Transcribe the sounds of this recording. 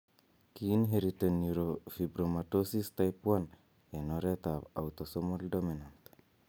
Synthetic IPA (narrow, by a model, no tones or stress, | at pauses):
kiinɦeɾitonuɾofibɾomatosistajpwan | enoɾet̪aa̰wt̪osomoldominant̪